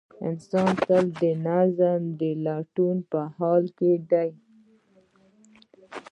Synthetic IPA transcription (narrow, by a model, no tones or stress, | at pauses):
ə̰̃nsɑ̃ːnt̪ald̪ənazamd̪əlaʈunpəhɑːlkeɖaj